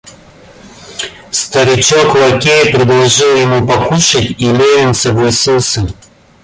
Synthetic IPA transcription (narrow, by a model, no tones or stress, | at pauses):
st̪ɐɾʲɪt͡ɕokʊɐkʲejɪpɾʲɪd̪lˠɐʐɨlˠjɪmupɐkuʂɨtʲilʲevʲɪnʲsəvlˠɐsʲilˠsʲə